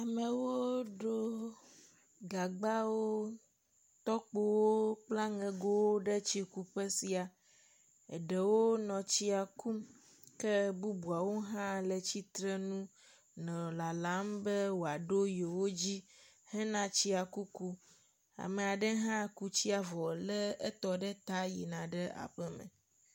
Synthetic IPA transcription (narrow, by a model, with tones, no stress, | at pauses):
a˨mɛ̃˨wo˦ɖo˦ | ɡa˨ɡ͡ba˦wo˦ | t̪ɔ˦k͡po˦wo˦k͡pla˦ŋɛ̃˨ɡo˦wo˦ɖɛ˦t͡ɕi˦ku˨ɸɛ˦si˨a˨ | ɛ̰˨ɖɛ˨wo˦nɔ̃˨t͡ɕi˦a˨ku˦m | kɛ˦bu˦bu˨a˨wo˦ɦã˦lɛ˨t͡ɕi˦t̪ɾɛ˦nũ˦ | nɛ̃˨la˨la˨˦mbe˦wo˨a˨ɖo˦je˨wo˦d͡ʑi˦hɛ˦nã˦t͡ɕi˦a˨ku˦ku˦ | a̰˨me˨a˨ɖɛ˦ɦã˦ku˦t͡ɕi˦a˨vɔ˨lɛ˦e˦t̪ɔ˨ɖɛ˦t̪a˦jḭ˨nã˨ɖe˦ʔa̰˨ɸɛ˦mɛ̰̃˨